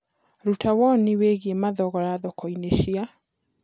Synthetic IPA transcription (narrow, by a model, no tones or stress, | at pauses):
ɾutawɔniweɣiemaðɔɣɔɾaðɔkɔineʃia